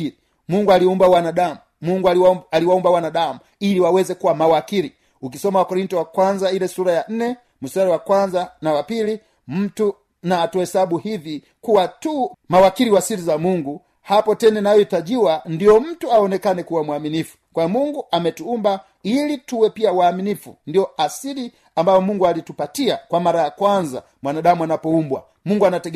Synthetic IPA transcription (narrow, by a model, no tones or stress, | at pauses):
i | muŋɡualiumbawanaɗamu | muŋɡaliwaumbawanaɗamu | iliwawɛzɛkuwamawakiɾi | ukisɔmawakɔɾintɔwakwanzailɛsuɾajan̩nɛ | musaɾiwakwanzanawapili | m̩tu | naːtuhɛsaɓuhivi | kuwatumawakiliwasilizamuŋɡu | hapɔtɛnɛnajɔitaʄiwandijɔm̩tuaɔnɛkanɛkuwamwaminifu̥kwajɔmuŋɡuʔamɛtuumba | ilituwɛpiawaːminifundiɔasili | ambajɔmuŋɡualitupatiakwamaɾajakwanza̰ | mwanaɗamuanapɔumbwa̰ | muŋɡuanatɛ